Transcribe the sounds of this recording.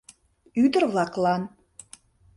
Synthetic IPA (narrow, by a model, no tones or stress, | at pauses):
yd̪ərβlɑklˠɑn